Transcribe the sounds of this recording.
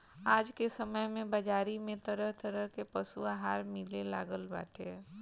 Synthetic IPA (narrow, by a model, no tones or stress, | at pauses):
aːd͡ʒkesəməjmẽbad͡ʒaːɾimẽt̪ɐɾəɦt̪əɾəɦkepɐsuaɦaːɾmɪlela̰ːɡəlba̰ːʈʰeː